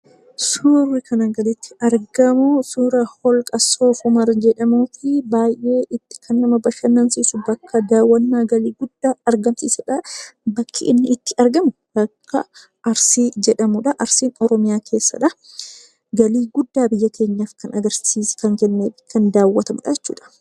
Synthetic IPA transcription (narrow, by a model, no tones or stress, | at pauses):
suːrːɪkʰɐnɐŋɡɐlɪt̪ːɪ̥ɐɾɡɐmʊsuːɾɐhɔlkʼɐsoːfʊmɐɾd͡ʒɛᶑɐmuːfɪbaːjʔe̞ːʔɪt̪ːɪ̥kʰɐnːɐmɐbɐʃɐnːɐnsiːsʊbɐkʰːɐd̪aːwːɐnːaːɡɐliːɡʊd̪ːaːɐɾɡɐnsḭːsɛᶑɐbɐkʰːɪʔɪnːɪɪt̪ːɪ̥ʔɐɾɡɐmʊb̥ɐkʰːɐ̰ | ʔɐɾsiːd͡ʒɛᶑɐmʊᶑɐʔɐɾsiːnɔɾɔmɪjaːkʰe̞ːsːɐ̰ᶑɐ | ɡɐliːɡʊd̪ːaːbɪjːɐkʰe̞ːɲːaːfkɐnɐɡɐɾsiːskɐŋkɛnːeːfɪ̥kɐnd̪aːwːɐt̪ɐmʊᶑɐd͡ʒɛt͡ʃːuːᶑɐ̥